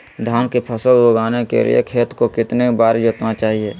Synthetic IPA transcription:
d̪ʱaːnkepʰəsəljoːɡaːnekḛlḭjḛkʰeːt̪kokɪt̪nebaːɾid͡ʒət̪nat͡ʃaːɦieː

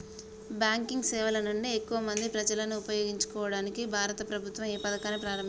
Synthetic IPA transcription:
bjaːŋkiŋɡsɛːʋɐlɐnuɳɖiekːuʋɐmɐnd̪ipɾɐd͡ʒɐlɐnuːpɐjoːɡiɲt͡ʃu̥kɔːʋɐɽaːnikibʱaːɾɐt̪ɐpɾɐbʱut̪ʋɐmiːpɐd̪ɐkaːnepɾaːɾɐm

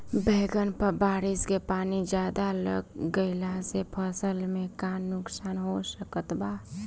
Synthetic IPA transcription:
bʱeɡənpəbaɾiskepaːnid͡ʒjad̪alə̰ɡːəɪlaɦsepʰəsəlmekanːʊksaːnɦosəkət̪ba

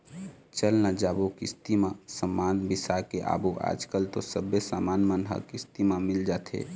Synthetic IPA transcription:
t͡ʃəlnad͡ʒaːbokɪ̰st̪imasəmːaːnbɪsakeʔa̰ːboʔa̰ːd͡ʒkəlt̪osəbesaːmaːnmənɦə̰kɪst̪imãmɪld͡ʒaːt̪ʰḛ

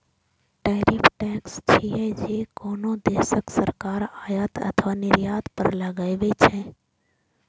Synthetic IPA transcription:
ʈɛɾipʰʈɛkst͡ʃʰiɛd͡ʒekoːnod̪esəksəɾkaɾaːjət̪ə̰t̪ʰʋanɪɾjaːd̪pəɾləɡəɪbet͡ʃʰɛ̃

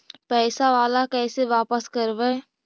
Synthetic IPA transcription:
pɛːsaʋaːlakɛːseʋaːpəskəɾʋɛː

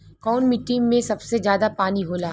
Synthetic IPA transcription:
kɔːnmɪʈːɪŋːẽsɐbsezjaːd̪apaːniɦoːlaː

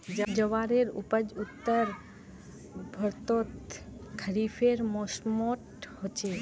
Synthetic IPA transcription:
d͡ʒəd͡ʒəʋaɾeɾṵpəd͡ʒut̪ːəɾ | bʱɔɾt̪ot̪kʰəɾifʰeɾmɔsmɔʈ | hot͡ʃʰe

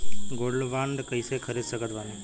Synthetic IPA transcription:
ɡoɽlʋaɳɖkəisekʰəɾesəkət̪ʋani

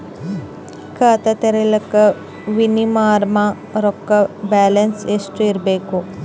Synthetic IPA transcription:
kʰaːt̪ɐt̪ɐɾelɐkɐ | ʋinimaːɾmã | ɾokːɐbæːlɐnsesʈiɾbeko

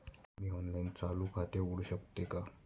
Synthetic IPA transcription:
miːɦonlajnt͡salukʰat̪euɽuɕəkt̪eka

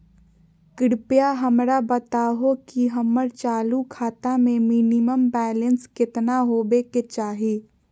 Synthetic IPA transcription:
kɪɽpjaɦəmɾabət̪aːɦokiɦəmːəɾt͡ʃaːlukʰaːt̪amẽminɪməmbɛːlənskɪt̪naɦoːbeket͡ʃaːɦiː

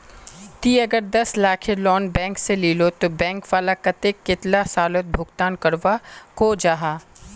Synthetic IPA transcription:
t̪iːɐɡəɾd̪ɐslaːkʰelɔːnbɛ̃ːŋkseliːlot̪obɛ̃ːŋkʋaːlakɐt̪ekːɪt̪lasaːlot̪̚bʱʊɡt̪aːnkɐɾʋakoːd͡ʒaːɦaː

